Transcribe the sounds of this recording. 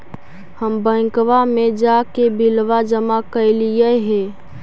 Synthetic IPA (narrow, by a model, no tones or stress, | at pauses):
həmbə̃ɪ̃kʋamed͡ʒakebilʋad͡ʒəmakəɪlijəɦe